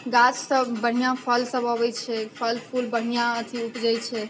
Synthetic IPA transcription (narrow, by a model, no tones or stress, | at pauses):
ɡat͡ʃsəbəɳ̤ijapʰəlsəbəʋɛjt͡ʃʰɛpʰəlpʰulbəɽ̤ijãət̪ʰiupd͡ʒajt͡ʃʰɛ